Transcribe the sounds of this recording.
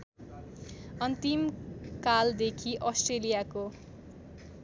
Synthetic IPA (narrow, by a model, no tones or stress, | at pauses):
ʌnt̪imkald̪ekʰiʔʌsʈrelijako